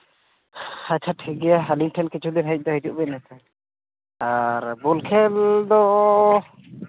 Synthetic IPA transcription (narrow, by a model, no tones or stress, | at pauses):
hat͡ʃʰaʈʰiɡɛjaɦaliŋʈʰɔnkit͡ʃʰud̪inɦɛc̚d̪ɔɦid͡ʒuʔbɛnɛt̪ʰa | aɾbulkʰɛld̪ɔ